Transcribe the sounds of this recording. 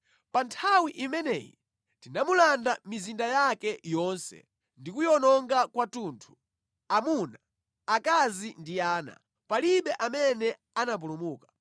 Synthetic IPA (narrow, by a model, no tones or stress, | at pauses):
pantʰawiʔimɛnɛ̰ːjḭ | tinamulandamizindajakɛjɔnsɛ̰ | ndikujɔnɔŋɡakwatuːntʰu̥ | amuna | akazindiaːna̰ | paliɓɛʔamɛnɛ | anap̬ulumuːkḁ